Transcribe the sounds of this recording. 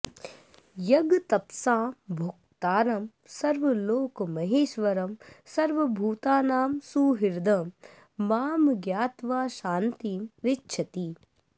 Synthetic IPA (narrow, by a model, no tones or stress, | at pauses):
jɐɡt̪ɐpsaːbʱʊk̚t̪aːɾɐm | sɐɾʋɐloːkmɐɦeːʃʋɐɾɐmsɐɾʋɐbʱuːt̪aːnaːmsuːɦɪɾd̪ɐmː | aːmɡjaːt̪ʋaːʃaːnt̪iːmɾɪtːʃʰɐt̪iː